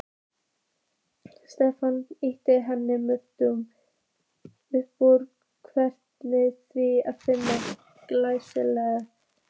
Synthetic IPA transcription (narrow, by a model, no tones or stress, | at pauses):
st̪ɛfanɪht̪ɪɦɛnːɪmʏht̪ʏm | ʏhpɔɾ | kʰvɛr̥t̪nɪθviaðfɪnːa | klajsɪlɛːɣa